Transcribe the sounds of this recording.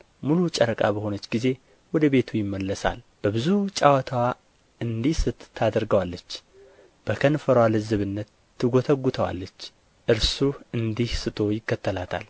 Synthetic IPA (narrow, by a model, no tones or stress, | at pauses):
mulut͡ʃʼəɾəkʼa̰bəho̞nət͡ʃːɡize̞ | wɔd̪əβe̞t̪ʰujɪmːəlːəsa̰l | b̥əbɨzut͡ʃʼawət̪ʰəwa | ʔɨnd̪ihsɨt̪ʰːad̪əɾɡəwalːət͡ʃː | b̥əkʰənfəɾwalɨzɨβɨnːət̪ːɨɡo̞t̪ʰəɡʷːut̪ʰəwa̰lːət͡ʃː | ʔɨɾsuʔɨnd̪ihsɨt̪ʼo̞jɪkːət̪ːəlat̪ʰa̰l